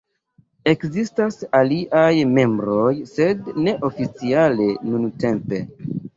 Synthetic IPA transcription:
e̞kzistasaliʔajme̞mbɾo̞jse̞dne̞ʔo̞fit͡siale̞nunte̞mpe̞

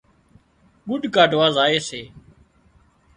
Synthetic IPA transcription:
ɡʊɖʱkaːɖʱʋaːzaːeːseː

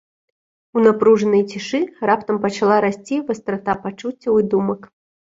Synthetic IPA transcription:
unapɾuʐɐnɐjt͡sʲiʂɨrapt̪ɐmpɐt͡ʂalˠaɾasʲt͡sʲivɐst̪ɾat̪apat͡ʂut͡sʲːɐwɨd̪umɐk

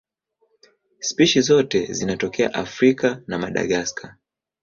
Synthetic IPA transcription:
spiʃizɔtɛzinatɔkɛa̰ʔafɾikanamaɗa̰ɠaskʰa

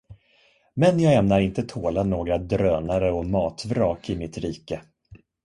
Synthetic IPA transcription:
mɛnjɑːɡɛmnaɾɪnt̪ət̪ʰoːlanoːɡɾad̪ɾøːnaɾəɔmɑːt̪vɾɑːkɪmɪt̪ɾiːkə

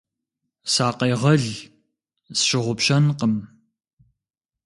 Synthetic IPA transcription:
saːqejʁɐɮ | zʃɪʁʷʊpɕɐnqəm

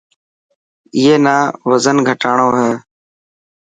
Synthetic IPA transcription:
ɪɦeːnaːʋəzənɡʱəʈaːɳoːɦɛː

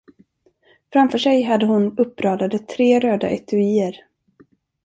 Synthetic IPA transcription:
fɾamfœʂɛjɦad̪ːəɦʊnɵpːɾɑːd̪ad̪ət̪ʰːɾeːɾøːd̪a̰ʔɛt̪ʰɵiːəɾ

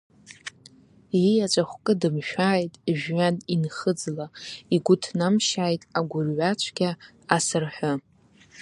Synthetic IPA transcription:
jijat͡ʃʷʼaχʷkʼɨdɨmʃᶣaːjtʼʒᶣɥaninχəd͡zlaiɡʷʊtʰnamʃaːjtʼaɡʷʊrʕʷat͡ʃʷʰɡʲaː | sɨrħʷʊ

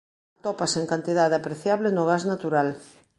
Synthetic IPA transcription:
t̪ɔpaseŋkant̪iðaðeapɾeθjaβlɪnʊɣaznat̪uɾal

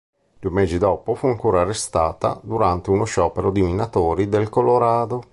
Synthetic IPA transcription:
d̪uemeːzid̪ɔːpofuaŋkoːɾaːrest̪aːt̪a̰d̪uɾant̪eunoʃɔːpeɾod̪iminat̪oːɾid̪elkoloɾaːd̪o

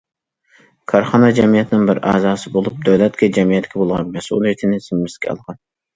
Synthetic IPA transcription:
kʰɑɾχɑnɑd͡ʒɛmijɛt̪ʰɪnɪŋbɪɾɑ̰ːzɑːsɨbolˠup̚d̪øwlɛt̪kʲɛd͡ʒɛmijɛt̪ːɪkʲʰɛbolˠʁɑnmɛsʔṵlˠijit̪ʰɪnɪsɪmːɪskʲʰɛ̰ɑ̰lˠʁɑn

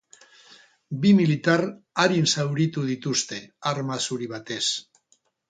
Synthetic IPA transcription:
bimilit̪araɾinsawɾit̪uð̞it̪ust̪e̞aɾmasuɾiβ̞at̪e̞s

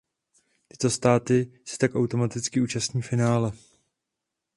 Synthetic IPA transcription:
t̪ɪ̥t̪o̞st̪aːt̪ɪsɛ̥t̪akʔawt̪o̞mat̪ɪt͡skɪʔuːt͡ʃast̪ɲiːfɪnaːlɛ

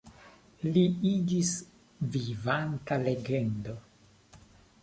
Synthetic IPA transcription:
liid͡ʒis | vivantale̞ɡendo̞

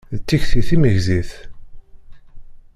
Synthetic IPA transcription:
ðət͡s̪ːiçθiθiməʝziθ

